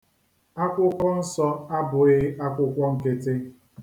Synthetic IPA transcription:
a˦kʷʊ˦kʷɔ˦n̩˦sɔ˦a˦bʊ˨ɪ˦ʔa˦kʷʊ˦kʷɔ˦ŋ̩˨ke˦te˦

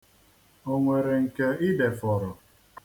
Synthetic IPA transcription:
o˦ŋʷe˨ɾe˨ŋ̩˨ke˦ɪ˦de˨fɔ˨ɾɔ˨

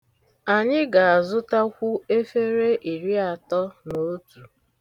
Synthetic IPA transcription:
a˨ɲɪ˦ɡa˨a˨zʊ˦ta˦kʷʊ˦e˦fe˦ɾe˦ʔi˨ɾi˦a˨tɔ˦no˨˦tu˨

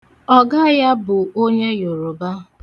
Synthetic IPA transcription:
ɔ˦ɡa˦ja˦bʊ˨o˦ɲe˦jo˨ɾo˨ba˦

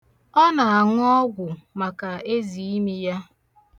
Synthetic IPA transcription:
ɔ˦na˨a˨ŋ˦ɔ˦ɡʷʊ˨ma˨ka˨e˦zi˨i˦mi˦ja˦

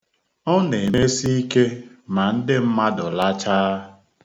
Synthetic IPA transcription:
ɔ˦ne˨me˦si˦i˦ke˦ma˨n̩˦dɪ˦m̩˦ma˦dɔ˨la˦t͡ʃaː˦

